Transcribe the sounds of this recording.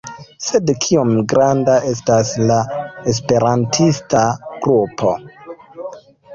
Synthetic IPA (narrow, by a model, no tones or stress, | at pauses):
se̞dkʰiomɡɾandaʔe̞s̬taslae̞s̬pe̞ɾantʰistaɡ̥ɾupʰo̞